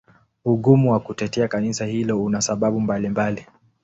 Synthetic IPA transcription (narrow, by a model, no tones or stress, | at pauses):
uɠumuwakutɛtɛakanisahilɔunasaɓaɓumbalimbali